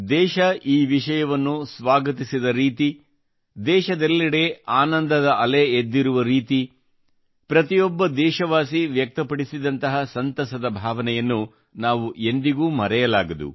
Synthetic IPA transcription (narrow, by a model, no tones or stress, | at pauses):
d̪ɛːʃɐʔiːʋiʃɐjɐʋɐnːusʋaːɡɐt̪isid̪ɐɾiːt̪i | d̪ɛːʃɐd̪ɛlːɐɽe̞aːnɐnd̪ɐd̪ɐʔɐleed̪ːiɾuʋɐɾiːt̪i | pɾɐt̪ijɔbːɐd̪ɛːʃɐʋaːsiʋjɐk̚t̪ɐpɐɽisid̪ɐnt̪ɐɦɐsɐnt̪ɐsɐd̪ɐbʱaːʋɐnɛjɐnːu | naːʋuʔe̞nd̪iɡuːmɐɾɛjɐlaːɡɐd̪ṵ